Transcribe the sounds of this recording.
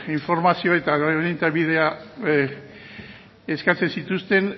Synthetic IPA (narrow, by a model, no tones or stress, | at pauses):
iɱfo̞ɾmasio̞e̞t̪aɣoenint̪aβið̞e̞a | eskat͡se̞nsit̪ust̪e̞n